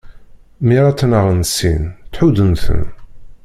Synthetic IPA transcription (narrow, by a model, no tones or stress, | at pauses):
miɾˤɑt͡s̪ːnəʁənsint̪ħuðənθə̰n